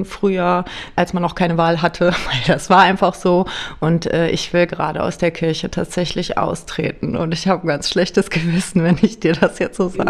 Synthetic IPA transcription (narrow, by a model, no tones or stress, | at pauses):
fʁ̥yːɐʔalsmanːɔχkʰaɪnəvaːlɦatʰəv̥aɪldasv̥aːɐʔaɪnfaχz̥oːʔʊntʔɛːʔɪ̰çv̥ɪlɡəʁa̰ːɾə̰ʔa̰ʊsd̥eːɐkʰɪɐçətʰa̰ːtz̥ɛçlɪçʔa̰ʊstʁ̥ḛːtn̩ʊ̰ntɪçhaːbəɡant͡sʃlɛçtəsɡ̥əvɪsn̩vɛnɪçd̥iːɐdasjɛt͡stz̥oːza̰ː